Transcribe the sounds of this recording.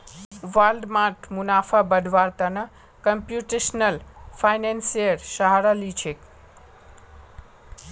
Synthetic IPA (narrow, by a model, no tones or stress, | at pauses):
ʋalɖmaʈʰmunaːfʰabəɖ̪ʱʋaɾt̪anɐ | kəmpjuʈeʃnəlpʰajnensiəɾʃaɦaɾalit͡ʃʰek